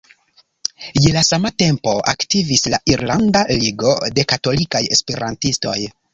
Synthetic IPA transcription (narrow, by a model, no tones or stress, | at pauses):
jelasamate̞mpo̞ʔa̰ktivislaʔiɾlandaliɡo̞de̞kato̞likaje̞̰spe̞ɾʔantisto̞j